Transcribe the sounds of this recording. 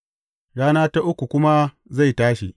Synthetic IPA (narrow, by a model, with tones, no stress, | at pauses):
ɽaː˦naː˦ta˦ʔʊ˦kʷu˨kʷʊ˦ma˦ | za˦˨jtaː˦ʃi˨